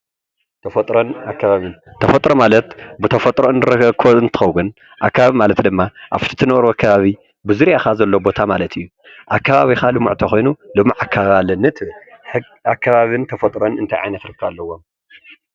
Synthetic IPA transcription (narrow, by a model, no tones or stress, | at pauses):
t̪ʰɐfɐt̪ʼɾonakːaβaβɨnt̪ʰɐfɐt̪ʼɾomalɐt̪bɨt̪ʰɐfɐt̪ʼɾonɾɨɐkʰoɨnt̪ʰɨ̥xɐβwun | ʔa̰kːaβaβimalɐt̪d̪ɨmːaʔa̰βt̪ʰi̥t̪ʰɨnɐʔɾoakʰːaβaβi | bɨzuɾjaxazɐlːo̞bo̞t̪ʰamalɐt̪ʰɨjːu | ʔakʰːaβaβixalɨmṵʕt̪ʰɐxojnulɨmːiʕakʰːaβalɐnːɨt̪ʰɨβɨlħɨ | akʰːaβaβɨnt̪ʰɐfɐt̪ʼɾonɨnt̪ʰajʕa̰jnɐt̪ɾɨkʰːɐβalːɐwːo̞m